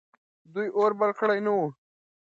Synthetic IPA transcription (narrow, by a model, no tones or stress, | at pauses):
d̪ujʔoːɾbaɾkʰɽajnawu